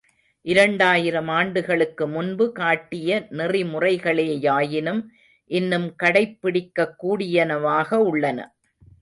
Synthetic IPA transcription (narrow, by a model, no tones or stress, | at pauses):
ʔɪɾɐɳɖaːjɪɾɐmaːɳɖɯɣɐɭɯkːɯmʊnbɯkaːʈːɪjɐnɪrɪmʊrɐɪɣɐɭeːjaːjɪnɯm | ʔɪnːɯmkɐɽɐɪpːɪɽɪkːɐkːuːɽɪjɐnɐʋaːɣɐʊɭːɐnɐ̰